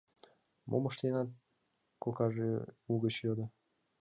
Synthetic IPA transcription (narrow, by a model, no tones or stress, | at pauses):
mʔoməʃt̪enɑt̪̚ | kokɑʒeuɣət͡ɕjod̪ɤ̆